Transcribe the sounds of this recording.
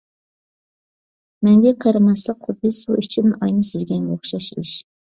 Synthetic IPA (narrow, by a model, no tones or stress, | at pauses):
mɛŋɡʲɛqʰəɾɨmɑslˠəqχʊb̪ɨsuit͡ʃʰimʔɑjnɨsyzɡʲɛnɡʲoχʃɑʃḭʃ